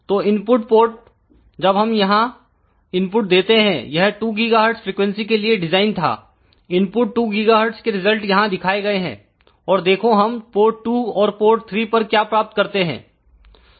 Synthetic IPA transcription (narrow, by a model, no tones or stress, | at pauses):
t̪oːɪ̃npʊʈpoːɾʈ̚ | d͡ʒɐbɦɐmjɐɦã | ɪ̃npʊʈ̚d̪eːt̪eɦɛ̰̃jɐɦʈuːɡɪɡaːɦəɾɖsfɾiːkwɛ̃nsikelieɖɪzaːɪnt̪ʰa̰ː | ɪ̃npʊʈːuːɡɪɡaːɦəɾɖskeɾɪzəlʈjɐɦãd̪ɪkʰaːeɡɐeɦɛ̰̃ː | ɔːɾd̪eːkʰoɦɐmpoːʈʈuːɔːɾpoːɾʈ̚t̪ʰɾiːpɐɾkjaːpɾaːp̚t̪̚kɐɾt̪eɦɛ̰̃ː